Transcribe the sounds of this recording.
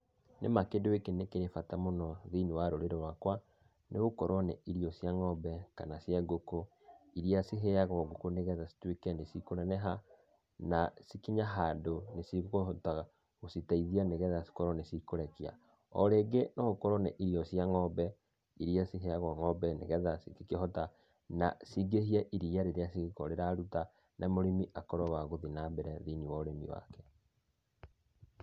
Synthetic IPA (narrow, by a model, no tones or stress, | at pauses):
nḛmakedoekenekeɾefatamonɔðeinewaɾoɾeɾɔwakwa | neɣokɔɾɔnɛʔiɾiɔsjaŋɔbɛka̰nasjaɡoko | iɾiasiɦeaɣwaɡokoneɣɛðasi̥twekɛnesikoɾɛnɛɦa | nasikiɲaɦaːndonesiɣotaɣa | ɣositaiðianeɣɛðasi̥kɔɾɔnesikoɾɛkia̰ | ɔ̰ɾeːɡenɔɣokɔɾɔneʔiɾiɔsjaŋɔbɛ | iɾiasiɦeaɣwaŋɔbɛnḛɣɛðasikikeɦɔta | na̰siɡehiaʔiɾiaɾeɾeasikɔɾeɾaɾuta | nʔamoɾimiʔakɔɾɔwaɣoðinabɛɾɛðiniwɔɾemḭwa̰kɛ